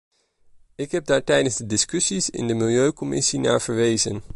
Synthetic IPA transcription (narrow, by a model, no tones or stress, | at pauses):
ɪkɦɛb̚daːɹtɛjdənzdədɪskɵsisɪ̰ndəmɪlˠjøɥkɔmɪ̰sina̰ːɹv̥əɹʋejzə̰n